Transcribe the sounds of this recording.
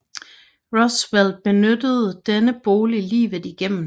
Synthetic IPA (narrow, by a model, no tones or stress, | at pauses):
ʁɔswelb̥e̝nød̥əð̞̩ˠd̥enəb̥o̝ːlilḭːʋð̩ˠiɡ̥em̰m̩